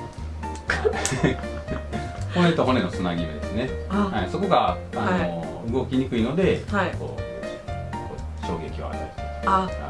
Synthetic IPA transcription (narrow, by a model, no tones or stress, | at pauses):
ho̞net̪o̞ɦo̞ne̞no̞t͡sɨnaɡʲiɯd̪e̞sɨne̞haiso̞ko̞ɡa | ano | ɯɡo̞kʲiɲ̟ikɯ̟ino̞d̪e̞hako̞̰ː | koː | ɕo̞̰ːɡe̞kʲiβa̰a̰ɾeɾɯ̥t̪oa